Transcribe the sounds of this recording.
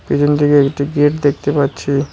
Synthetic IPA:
pid͡ʑunt̪ʰikeekʈiɡiʈd̪ek̚ʰt̪epatːɕʰi

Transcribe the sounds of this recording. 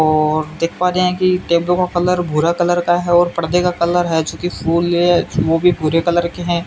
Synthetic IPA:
ɔːɾd̪eːkʰpaːɾeɦɛ̃kiʈeːblõkakɐləɾbʱʊɾakɐləɾkaɦɛɔːɾpɐɽd̪ekakɐləɾɦɛt͡ʃõːkifuːlɛʋobʱibʱʊɾekɐləɾkeɦɛ̃ː

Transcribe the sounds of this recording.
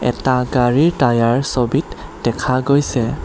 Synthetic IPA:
ɛ̰taɡaɹiɹtajaɹsobitd̥ɛkʰaɡojsɛ

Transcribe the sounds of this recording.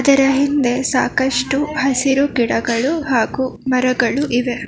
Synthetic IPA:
ɐd̪ɐɾɐɦind̪e̞saːkɐʂʈuhɐsiɾukiɽɐɡɐɭuɦaːɡumɐɾɐɡɐɭuʔiʋe

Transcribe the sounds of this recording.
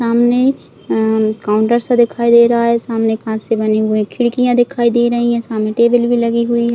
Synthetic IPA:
aːmne | kaːʊ̃ɳʈəɾsed̪ɪkʰaːid̪eːɾɐɦaɦɛsaːmnekɐɦãsebɐneɦʊẽkʰɪɽkijãd̪ɪkʰaːid̪eːɾɐɦĩɦɛ̃saːmneʈeːbəlbʱilɐɡiɦʊiɦɛ

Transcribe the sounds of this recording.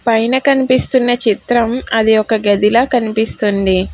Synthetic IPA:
pɐjnɐkɐnipist̪unːɐt͡ʃit̪ɾɐmɐd̪iɔkɐɡɐd̪ilɐːkɐnipist̪und̪i

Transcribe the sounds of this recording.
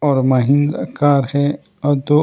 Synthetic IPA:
ɔːɾmɐɦĩnd̪akaːɾhɛ | ɔd̪o

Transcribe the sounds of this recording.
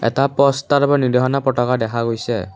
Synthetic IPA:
ḛt̪apɔst̪aɾbɔnidɔɦɔnapɾɔʈɔkad̪ekʰaɡojse

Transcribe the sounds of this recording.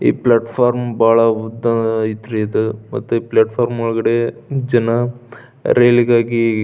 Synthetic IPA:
ḭːplaːʈpʰaːɾmbaːɭɐud̪ɐit̪ɾid̪umɐ̰t̪ːuiːplaːʈpʰaːɾmɔɭɡɐɽed͡ʒɐnɐ | ɾeːliɡaːɡi

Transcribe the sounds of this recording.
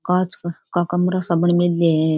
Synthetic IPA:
kat͡skakamuɾasabəɳmilːe

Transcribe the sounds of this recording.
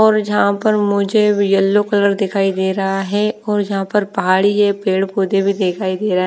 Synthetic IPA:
ɔːɾjɐɦãpəɾmʊd͡ʒʱebijəlːokɐləɾd̪ɪkʰaːid̪eːɾɐaɦɛɔːɾjɐɦãpəɾpɐɦaːɽiɦɛpeːɽpoːd̪ebʱid̪eːkʰaːid̪eːɾaɦɛ

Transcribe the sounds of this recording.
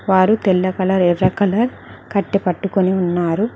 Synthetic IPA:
ʋaːɾut̪ɛlːɐkɐlɐɾɛrːɐkɐlɐɾ | kɐʈːipɐʈːukoniunːaːɾu

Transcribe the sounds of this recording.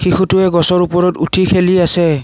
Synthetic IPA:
xixʰutʊɛɡɔsɔɹupɔɹɔtutʰikʰeliasɛ

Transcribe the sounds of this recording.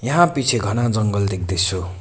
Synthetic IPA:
jʌɦãpit͡sʰeɡʱʌnad͡zʌŋɡʌld̪ek̚d̪ʌsʰo

